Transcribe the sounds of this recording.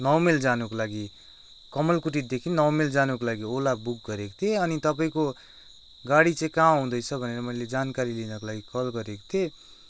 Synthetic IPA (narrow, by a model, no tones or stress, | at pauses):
nʌwmeld͡zanukolaɡi | kʌmʌlkuʈ̬id̪ekʰinːʌwmeld͡zanukolaɡiolabuk̚ɡʌɾeko̥t̪ʰeʌnit̪ʌp̬aĩko | ɡaɽit͡sʌĩkaɦũd̪ʌjt͡sʰʌbʱʌneɾʌmʌiled͡zankaɾilinʌkolaɡikʌlɡʌɾeko̥t̪ʰe